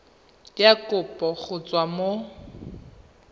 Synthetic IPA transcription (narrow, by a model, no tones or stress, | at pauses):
jakʼʊpʼɔɣʊt͡sʼwamo